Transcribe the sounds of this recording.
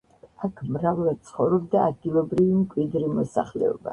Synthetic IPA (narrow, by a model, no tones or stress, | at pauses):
akʰmɾavlˠad̪̚t̪sʰχɔvɾɔb̚d̪aːd̪̚ɡilˠɔbɾivimkʼwid̪ɾimɔsa̰χlɛ̰ɔ̰ba̰